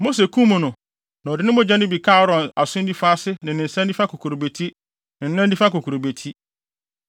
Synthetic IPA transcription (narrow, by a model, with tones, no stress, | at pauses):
mo˦s̬e˨kʰũ˦mʊ̃˨nʊ̃˨ | nã˨ɔ˨dɪ˨nɪ̃˦mʊ̃˦d͡ʑa˦nʊ̃˦bi˨kʰa˦ɔ˦ɾɔ̃˨na˨sʊ̃˦n̩˦di˦fa˦sɪ˦nɪ̃˨nɪ̃˨n̩˨sã˦n˦di˦fa˦kʰo˨kʰu˨ɾo˨be˨tʰi˦ | nɪ̃˨n̩˦nã˦di˦fa˦ko˨kʰu˨ɾo˨be˨tʰi˦